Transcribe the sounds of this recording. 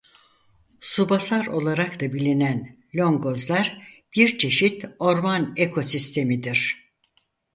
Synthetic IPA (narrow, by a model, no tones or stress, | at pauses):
subasaɾo̞lˠaɾakt̪abilʲinæn | lʲo̞ŋɡo̞zlˠaɾb̥iɾt͡ʃʰe̞ʃit̪o̞ɾmanekʰo̞sist̪ʰe̞mid̪iɾ̥